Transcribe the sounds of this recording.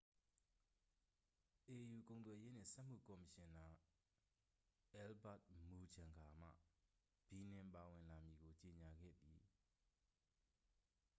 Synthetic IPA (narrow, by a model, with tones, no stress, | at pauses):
ʔe˨ju˨kõ˨ʊ̃nt̪wɛ˨je˦n̥ɪ̰̃˦˨sɛ˦ʔm̥ṵ˦˨kɔ˨mə˨ʃɪ̃˨nã˨ | ʔɛ˦lba̰˦˨t̚mu˨d͡ʑã˨ŋɡʰa˨m̥ä̰˦˨ | b̥i˨nɪ̃˨mpa˨wɪ̃˨nla˨mji˨ɡo˨t͡ɕe˨ɲa˨ɡɛ̰˦˨d̪i˨